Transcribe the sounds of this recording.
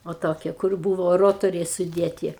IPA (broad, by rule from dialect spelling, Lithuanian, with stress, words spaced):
oː ˈtoːkʲiɛ kʊr ˈbuːʋoː ˈroːtoːrʲɛɪ sʊˈdʲeːtʲɪ